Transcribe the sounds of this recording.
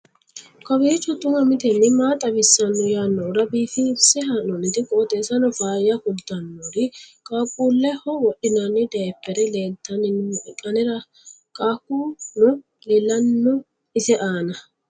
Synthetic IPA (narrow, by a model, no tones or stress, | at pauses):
kʼɔwit͡ʃːɔt̪ːʊŋɐmɪt̪ɛnːɪmaːt̪ʼɐbɪsːɐnːɔjaːnːɔːɾɐbiːfɪbsɛɦɐnɔnɪt̪ɪkʼoːt̪ʼeːsɐnɔfaːjɐkʊd̪ɐnːoɾɪkʼaːkʼːuːlːɛhɔwɔɗɪnanːɪd̪ɐpːɛɾɛleːt̪ːɐnɪnkʼɐnɛɾɐ | kʼaːkːuːnɔ | lɛlːɐnːɔ | ɪsɛʔaːnɐ